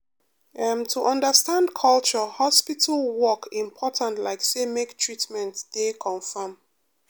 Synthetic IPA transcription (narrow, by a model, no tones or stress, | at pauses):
ɛ̃mtʰuʔʌ̃ndəstãndkʰʌlt͡ʃəhɔspitʰəlwɔkĩmpʰɔtʰãntlaɪksemektʰɹitmɛ̃ntd̥ekʰɔ̃nfəm